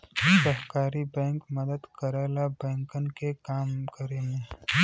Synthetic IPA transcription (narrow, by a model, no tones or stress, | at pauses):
səɦkaːɾibɛ̃ːŋkmɐd̪əd̪kɐɾaːlabɛ̃ːŋkənkekaːmkəɾeŋe